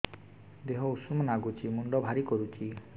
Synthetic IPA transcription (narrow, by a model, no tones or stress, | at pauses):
d̪eɦɔusumɔnaɡut͡ʃʰimuɳɖɔbʱaɾikɔɾut͡ʃʰi